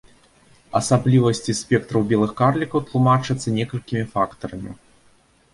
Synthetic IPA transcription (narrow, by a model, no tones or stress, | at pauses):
ɐsablʲivɐsʲt͡sʲisʲpʲɛk̚t̪ɾɐwbʲɛlˠɨxkarlʲikɐwt̪lˠumat͡ʂɨt̪sːɐnʲɛkɐlʲkʲimʲifakt̪ɐɾɐmʲḭ